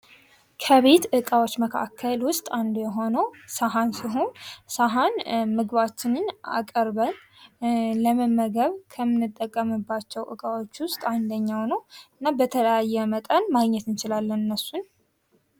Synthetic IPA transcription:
kʰəβe̞t̪ʔɨkʼawot͡ʃːməkʰa̰kʰːəlwʊst̪ʼand̪jɛɦo̞nəwsaɦansiɦo̞nsaɦanmɨɡβat͡ʃːɪnɨna̰kʼəɾβən | ləməmːəɡəβkʰəmɨnːɨt̪ʼːəkʼːəmɨbːat͡ʃːɛwʔɨ̰kʼawot͡ʃːwʊst̪ʼand̪əɲːawnəwɨnːabət̪ʰələjajːɛmət̪ʼənmaɡɲɛt̪ɨnt͡ʃɪlalːənɨnːəsːun

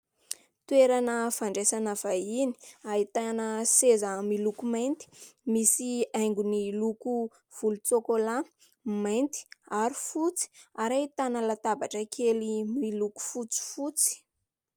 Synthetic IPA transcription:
t̪ueɾanəfaɳɖ͡ʐesanav̥aini̥ait̪anəsezamilukumajnt̪i̥misiajŋɡuniluku | v̥ulut͡sokola | majnt̪i̥aɾifut͡si̥aɾajt̪anəlat̪abaʈ͡ʂəkʰelimiluku̥fut͡si̥fut͡si̥

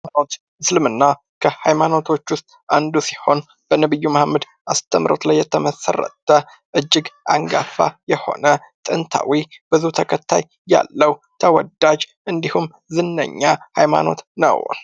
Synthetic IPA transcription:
anot̪ | slɨmɨnːa | kʰəhajmano̞t̪ʰo̞t͡ʃːwʊst̪ʼʔand̪usi̥ho̞n | b̥ənəβɨjːuməhmːəd̪ | ʔast̪ʰəmɾo̞̰t̪lajːɛt̪ʰəməsə̰rːə̰t̪ʰːə | ʔɨd͡ʒːɪɡʔaŋɡa̰fa̰jɛho̞̰nət̪ʼɨnt̪ʰa̰wib̥ɨzuht̪ʰəkʰət̪ʰːaj | ja̰lːəw | t̪ʰəwɔd̪ad͡ʒʔɨnd̪ihum | zɨnːə̰ɲːahajma̰no̞̰t̪nə̰w

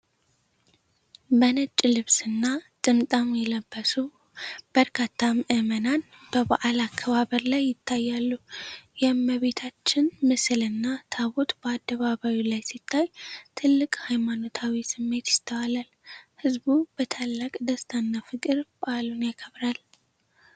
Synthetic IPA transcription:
bənət͡ʃʼːlɨβsɨnːat̪ʼɨmt̪ʼamjɛləbːəsu | b̥əɾkʰat̪ʰːaməʔɨmənan | b̥əbaʔalakʰːəβaβəɾlajːɪt̪ʰːajːalːujɛmːəβe̞t̪ʰat͡ʃːɪnmɨsɨlɨnːat̪ʰaβo̞t̪bəad̪ːəβaβawilajsit̪ʰːajt̪ʰɨlːɨkʼhajmano̞t̪ʰawisɨmːe̞t̪jɪt̪ʰːəwalalhɨzbub̥ət̪ʰalːakʼd̪əst̪ʰanːafɨkʼɨɾbʔalunjakʰəβɾal

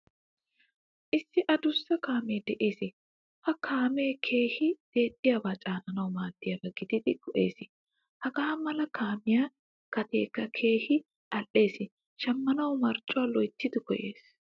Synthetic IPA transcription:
ʔɪsːɪʔɐd̪ʊsːɐkaːmeːd̪ɛʔe̞ːsɪ | hɐkʰaːmeːkʰe̞ːhɪd̪̥e̞ːt̪ʼːɪjaːbaːt͡ʃʼaːnɐnɐwʊmaːt̪ːɪjɐbɐɡɪd̪ɪd̪ɪkɔʔe̞ːsɪ | hɐɡaːmɐlɐkʰaːmɪjaː | kɐt̪eːkːɐkʰeːhɪ | ʔɐlʔe̞ːsɪ | ʃɐmːɐnɐwmɐɾt͡ʃʼːʊwalɔjt̪ːɪd̪ɪkɔje̞ːs

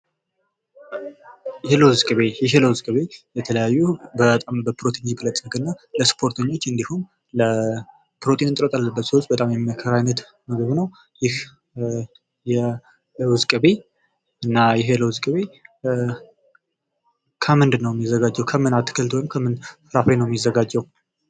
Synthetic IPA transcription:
jeləwʊzkʼɨβe̞jɛɦeləwʊzkʼɨβe̞jɛt̪ʰələjajːubət̪ʼambəpʰɾot̪ʰiɲikʰɨlət̪ʼːɨkɨnːaləspʰo̞ɾt̪ʰəɲːo̞t͡ʃːɨnd̪ihum | lə | pɾo̞t̪ʰinɨnt̪ʼɾət̪ʼalːəbːət̪səwt͡ʃ̪bət̪ʼamjɛmməkʰəɾajnət̪ | məɡəβnəw | jɪh | jɛ | wʊzkʼɨbe̞ | ɨnːajɪɦləwʊzkʼɨβe̞ | kʰəmɨnd̪nəwjɛmːizːəɡad͡ʒːɛwkʰəmɨnat̪ʰːɨ̥kʰəlt̪ʰowjimkʰəmɨnfɨɾafenəwjɛmjizːəɡad͡ʒːɛw

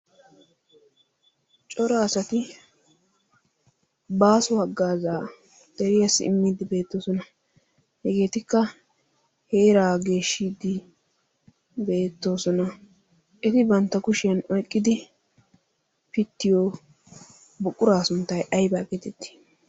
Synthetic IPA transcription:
t͡ʃʼɔɾaːsɐt̪ɪ | baːsʊhɐɡːaːzaː | d̪̥ɛɾɪjɐsːɪ̰ɪmːiːd̪ɪbe̞ːt̪ːo̞ːsɔnɐ | hɛɡe̞ːt̪ɪkːɐ | heːɾaːɡe̞ːʃːiːd̪ɪ | be̞ːt̪ːo̞ːsɔnɐ | ʔɛt̪ɪbɐnt̪ːɐkʊʃɪjɐnɔjkʼːɪd̪ɪ | pɪt̪ːɪjoː | bʊkʼːʊɾaːsʊnt̪ːɐjʔɐjbaːkʼɛt̪ɛt̪ːi̥

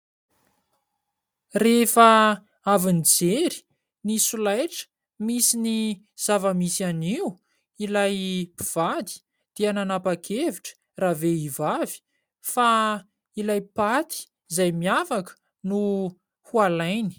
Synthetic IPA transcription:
refə | avinid͡zeɾi̥ | nisulajʈ͡ʂə̥ | misini | z̥avəmisaniwu | ilajpiv̥ad̪i̥ | d̪̥eananapakʰeviʈ͡ʂə̥ | raːveivavi̥ | fa | ilajpat̪ʰi̥ | zajmiafakə̥ | nu | hualajni̥

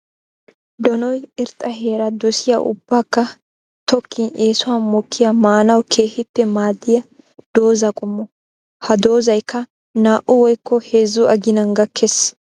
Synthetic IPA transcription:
d̪ɔnɔjɪɾt̪ʼɐɦeːɾɐd̪ɔsɪjɐʔʊ̰b̥ːaːkːɐ | t̪ɔkʰːɪnʔeːsʊwɐnmɔkʰːɪjɐmaːnɐwkʰe̞ːhɪt̪ːɛmaːd̪ːɪjɐ | d̪̥o̞ːzɐkʼʊmːɔ | hɐd̪o̞ːzɐjkːɐ | naːʔʊwɔjkːɔheːzːʊɐɡɪnɐŋɡɐkʰːɛs

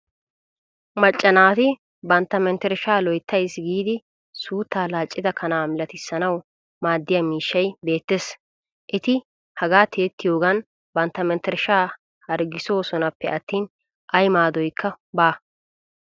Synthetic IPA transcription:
mɐt͡ʃʼːɐnaːt̪ɪ | bɐnt̪ːɐmɛnt̪ɛɾʃaːlɔjt̪ʰːɐjsɡiːd̪ɪ | suːt̪ːaːlaːt͡ʃʼːɪd̪ɐkʰɐnaːmɪlɐt̪ɪsːɐnɐw | maːd̪ːɪjɐmiːʃːɐjbe̞ːt̪ːeːs | ʔɪt̪ɪ | hɐɡaːt̪ʰeːt̪ːɪjo̞ːɡɐn | bɐnt̪ːɐmɛnt̪ɛɾʃaː | hɐɾɡɪso̞ːsɔnɐpːɛʔɐt̪ːiːn | ʔɐjmaːd̪ɔjkʰːɐ | baː

